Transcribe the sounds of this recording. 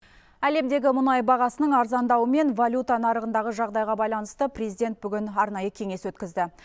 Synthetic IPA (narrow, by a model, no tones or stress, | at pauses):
æle̞md̪e̞ɡʲɪmʊnɑjbɑʁɑsənəɴɑɾzɑnd̪ɑwəme̞nvalʲut̪anɑɾəʁənd̪ɑʁəʒɑʁd̪ɑjʁɑbɑjlˠɑn̪əst̪əprʲezid̪ʲe̞nt̪̚bʏɡʲɪnɑɾnɑjəkʲʰe̞ŋe̞swɵt̪kʲɪzd̪ɪ